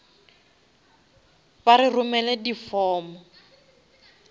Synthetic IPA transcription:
baɾirumɛlɛdifɔːmɔ

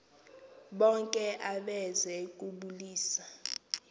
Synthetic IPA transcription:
ɓɔŋkʼɛʔaɓɛzɛk̬ʼuɓuliːsa

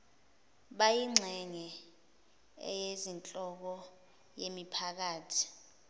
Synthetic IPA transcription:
ɓajiŋ͡ǀʱɛŋɛ | ɛ̰jezint͡ɬʼɔk̬ɔ | jemipʰak̬aːtʰi̥

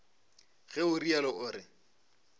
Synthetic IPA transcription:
ɣɛʊrialɔʔʊːɾɪ

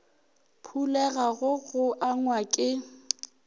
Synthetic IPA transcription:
pʰulɛɣaɣʊɣʊʔaŋwakʼɪ

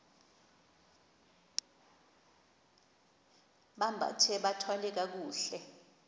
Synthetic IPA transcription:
ɓambʱa̰tʰɛɓatʰwalɛk̬ak̬uːɬɛ

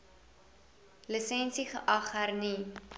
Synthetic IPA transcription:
ləsɛnsiχəʔɐχərni

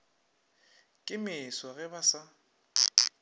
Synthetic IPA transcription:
kʼɪmɪswaɣɛbasa

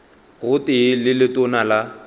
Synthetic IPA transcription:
ɣʊtɪlɪlɪtʊnala

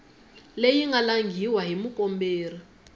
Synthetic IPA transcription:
lejiŋɡalaŋɡʱiwaɦimukʼɔmbeːri

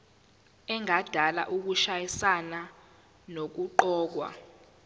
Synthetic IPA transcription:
ɛŋad̥ʱala̰ʔuk̬uʃajisana | nok̬uǃɔːk̬wa̰

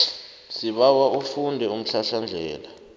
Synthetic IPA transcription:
siɓawaʔufundʱɛum̩ɬaɬand͡ɮʱɛ̰ːla

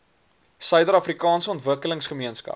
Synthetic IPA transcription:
sœɥdəɾɐfrikɑːnsəɔntvəkələŋsχəmiənskɐ̰p

